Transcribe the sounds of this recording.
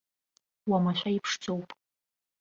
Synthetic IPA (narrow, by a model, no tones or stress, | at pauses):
wamaʃʷaipʰʂt͡sʰʼowpʼ